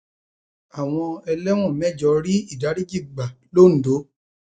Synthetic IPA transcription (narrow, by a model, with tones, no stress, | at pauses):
a˨w̃ɔ̃˧ɛ˧lɛ˦w̃ɔ̃˦˨mɛ˦˨d͡ʒɔ˧˦ɾi˦i˦˨da˨˦ɾi˦d͡ʒi˦˨ɡ͡ba˨ | lo˦˨n̩˨do˨˦